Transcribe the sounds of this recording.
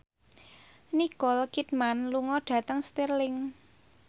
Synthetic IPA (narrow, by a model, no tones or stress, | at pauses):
nikɔlkit̪̚manluŋɔɖ̥ä̤t̪əŋst̪irlɪŋ